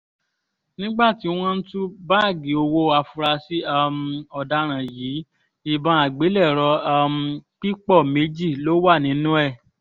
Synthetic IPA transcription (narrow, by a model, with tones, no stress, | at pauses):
nĩ˦ɡ͡ba˦˨ti˨˦w̃ɔ̃˦n̩˦tu˦ba˦˨ɡi˨o˧wo˧˨a˧fu˧ɾa˧si˦a˧m˧ɔ˨da˧ɾ̃ã˨jiː˨˦ | i˧bã˧˦a˨ɡ͡be˨˦lɛ˦˨ɾɔ˧a˧m̩˧k͡pi˦k͡pɔ˦˨me˨˦d͡ʒi˦˨lo˨˦wa˦˨nĩ˨˦nũ˦ɛ˦˨